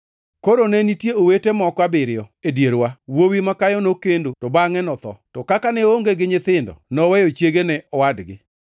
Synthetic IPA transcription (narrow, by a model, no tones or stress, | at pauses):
koɾonɛnitjeowetemɔkwabɪɾɪɔedjeɾwawowimakajɔnokendotɔbaŋɛnɔt̪ɔ̰tɔkakanɛoŋɡeɡɪɲɪt̪ɪndɔ̰nɔwɛjot͡ʃjeɡenɛʔɔwadɡɪ